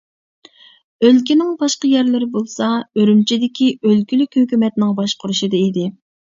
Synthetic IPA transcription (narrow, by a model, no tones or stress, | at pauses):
ølkʲinɪŋbɑʃqɑjɛɾlɪɾɪbolˠsɑøɾymt͡ʃʰid̪ɪkʲiʔølkʲylykʲhøkʲymɛt̪nɪŋbɑʃqʰʊɾuʃɨd̪ɨid̪ɪ